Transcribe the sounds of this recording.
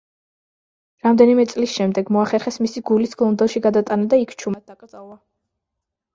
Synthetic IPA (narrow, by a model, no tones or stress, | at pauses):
ɾamd̪ɛnimɛt̪sʼlisʃɛmd̪ɛɡmɔaχɛɾχɛsmisiɡulisɡlˠɔnd̪ɛlˠʃiɡad̪at̪ʼanad̪aikʰt͡ʃʰumad̪̚d̪akʼɾd̪zʼalˠa